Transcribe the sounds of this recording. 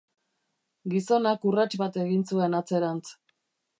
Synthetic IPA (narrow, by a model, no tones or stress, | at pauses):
ɡiso̞nakurat͡ʃβat̪e̞ɣinsue̞nat͡se̞ɾant͡s